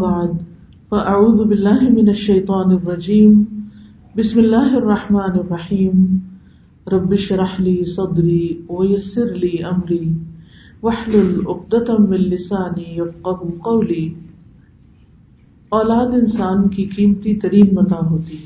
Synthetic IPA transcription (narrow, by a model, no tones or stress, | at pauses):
baʕd̪ | faʔaʕuːðʊbɪlːaːɦɪmɪnɐʃːɐjt̪ˤɑːnrˤːɑd͡ʒiːm | bɪsmɪlːaːɦɐrˤːɑħmaːnɪrˤːɑħiːm | ɾˤɑbːɪʃɾˤɑħliːsˤɑd̪ɾiːwɐjɐsːɪɾliːʔɐmɾiː | wɐħlʊlʔʊq̚d̪at̪mɪnlɪsaːnijɐfqɑɦʊqɐwliː | oːlaːd̪ɪnsaːnkikiːmt̪it̪ɐɾiːnmɐt̪aːnɦoːt̪i